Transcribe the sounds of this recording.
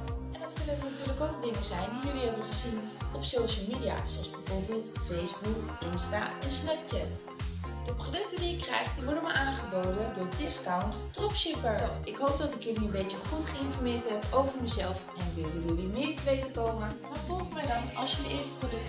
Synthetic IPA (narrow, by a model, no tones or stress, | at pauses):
ɛndɑtkɵnənnatyːɹləkowk̚ədɪŋəzɛjndijɵliɦɛbənχəzinɔpsowʃəlˠmiːdija̰ːz̥oɑlzbɛjvʊːɹbɪːlˠtfejzbukɪnsta̰ːɛnsnɛp̚t͡ʃɛt | d̥əprodɵk̚tədijəkrɛjχtdiʋɔɹdənmaʔaːnχəbowdədʊːɹdɪskawnttrɔpʃɪpəɹɪkɦowp̚dɑtɪkjəliənbejt͡ʃəχutχəɪnfɔɹmɪːɹtɦɛpowvəɹməzɛlˠfɛnʋɪlˠjəjəlimɪːɹtəʋejtəkowmənmaːɹfɔlˠχəmɛjdɑnɑ̰lˠsjəəɪːɹstə̥prodɵk̚